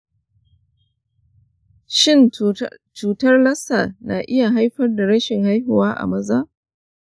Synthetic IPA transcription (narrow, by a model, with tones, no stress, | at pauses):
ʃɪ˦˨nt͡ʃuː˨tɐ˦rlɐ˦sa˨na̰˨ʔɪ˦ja˨ɦa˦jɸɐ˦rda˨ɽɐ˦ʃɪ˨ŋha˦jɦʊ˨waː˦ʔa̰˨mɐ˦zaː˦ʔ